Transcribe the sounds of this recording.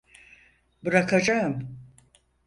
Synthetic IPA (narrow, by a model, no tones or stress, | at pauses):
bɯɾakʰad͡ʒaɯm